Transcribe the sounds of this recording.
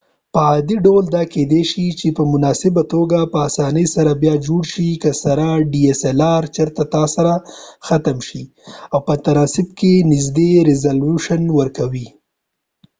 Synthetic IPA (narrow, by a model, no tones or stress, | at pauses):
pəɑd̪iɖawld̪ɑked̪eʃit͡ʃepəmʊnɑsɪbat̪oɡapəasɑnəjsaɾabjɑd͡ʒoɽʃikəsaɾaɖieselɑɾt͡ʃəɾt̪at̪ɑsaɾaxat̪amʃi | awpət̪aɾɑsɪb̚kenɪzd̪eɾɪzaluʃanwəɾkawi